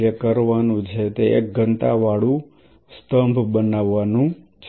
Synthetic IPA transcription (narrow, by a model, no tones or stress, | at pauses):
əkəɾʋanũt͡ʃʰet̪eḛk̚ɡənt̪aʋaɭũ | st̪əmbʱbənaʋːanũt͡ʃʰ